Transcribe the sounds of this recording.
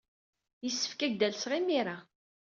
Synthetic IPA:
jisːə̥fkæʝd̪ælsʁimiɾa

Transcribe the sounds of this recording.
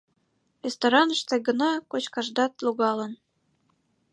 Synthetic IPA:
rʲest̪oɾɑnəʃt̪eɡə̆nɑkot͡ɕkɑʒd̪ɑt̪luɣɑlə̆n

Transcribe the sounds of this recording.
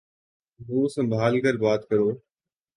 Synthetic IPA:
ɦoːsə̃mbʱaːlkəɾbaːt̪kəɾoː

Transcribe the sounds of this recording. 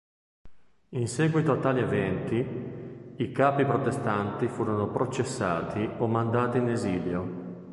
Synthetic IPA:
insɛːɡwit̪oat̪ːaːlievɛnt̪i | ikaːpipɾot̪est̪ant̪ifuːɾonopɾot͡ʃesːaːt̪ʰiomːand̪aːt̪iːneziːljo

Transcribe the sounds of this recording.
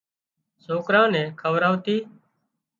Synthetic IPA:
soːkɾãːnɛ̃ːkʰəʋɾaːʋt̪iː

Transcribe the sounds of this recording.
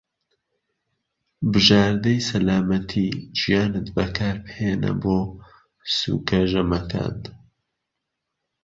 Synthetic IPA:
bɨʒaːɾd̪ɐjsɐlaːmɐt̪ʰid͡ʒijaːnɨt̪bɐkʰaːɾpheːnɐ̰boː | sṵkɐʒɐmɐkʰa̰ːn

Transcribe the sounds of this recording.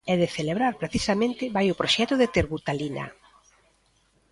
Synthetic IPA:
ɛðeθeleβɾaɾpɾeθisamẽnt̪ɪβajʊpɾoʃɛt̪ʊðet̪eɾβut̪alina̰

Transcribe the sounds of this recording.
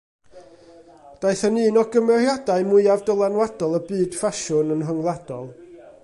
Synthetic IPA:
d̥aɨθənɨːnɔɡəmɛrjadaɨmʊɨavdəlˠanwadɔlˠəbɨːd̥faʃʊnənɦəŋlˠad̥ɔlˠ

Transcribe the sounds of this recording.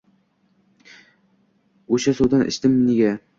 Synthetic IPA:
oʃasod̪anʔɪ̰ʃt̪ɪmneɡʲa

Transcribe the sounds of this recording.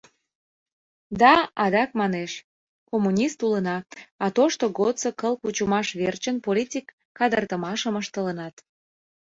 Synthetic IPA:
d̪ɑɑd̪ɑk̚mɑneʃ | komunʲist̪ulənɑɑt̪oʃt̪oɣot̪t͡səkəlkut͡ɕumɑʃβert͡ɕənpolʲitʲikːɑd̪ərt̪əmɑʃəməʃt̪ələnɑt̪

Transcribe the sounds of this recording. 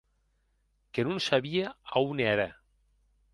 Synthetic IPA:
kenunsaβiaaunɛɾɐ̰

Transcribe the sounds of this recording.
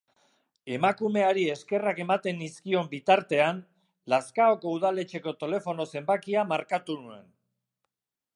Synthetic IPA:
e̞makume̞aɾie̞ske̞rake̞mat̪e̞niskio̞mbit̪aɾt̪e̞an | laskaoko̞uð̞ale̞t͡ʃe̞ko̞t̪e̞le̞fo̞no̞se̞mbakiamaɾkat̪unue̞̰n

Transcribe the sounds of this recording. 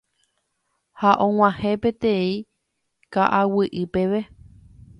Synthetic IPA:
haʔõŋ̃ãhẽpet̪ẽĩ | kaʔawɨʔɨpeʋe

